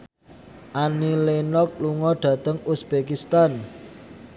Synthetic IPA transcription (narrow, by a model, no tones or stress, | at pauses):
ʔanilenɔk̚luŋɔɖ̥ä̤t̪əŋusb̥ekist̪an